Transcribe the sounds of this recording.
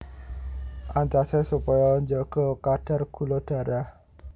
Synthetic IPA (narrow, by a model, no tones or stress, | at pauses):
ʔaɲt͡ʃasɛsupajaɲd͡ʒɔɡ̥ɔkad̥a̤rɡ̥ulɔd̥a̤ɾah